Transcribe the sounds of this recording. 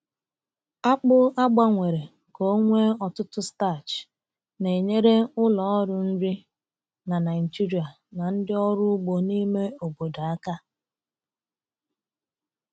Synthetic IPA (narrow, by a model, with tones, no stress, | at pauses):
a˦k͡pʊ˦a˦ɡ͡ba˦ŋʷe˨ɾe˨ | ko˦ŋʷe˦ɔ˨tʊ˦tʊ˦sta˦˨t͡ʃ | ne˨e˨ɲe˦ɾe˦ʊ˦lɔ˨˦ɔ˦ɾʊ˨n̩˦ɾi˦ | na˨na˨ɪ˨d͡ʒi˦ɾi˨a˨ | na˨n̩˦dɪ˦ɔ˦ɾʊ˦ɡ͡bo˨ni˦me˦o˨bo˨da˨a˦ka˦